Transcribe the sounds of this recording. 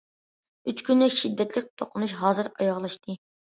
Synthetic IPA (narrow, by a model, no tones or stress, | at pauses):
yt͡ʃkʲynːɪʃid̪ːɛt̪lɪk̚ʲt̪ʰoqʰʊnuʃɦɑːzɨɾɑ̰jɑʁlˠɑʃt̪ʰɨ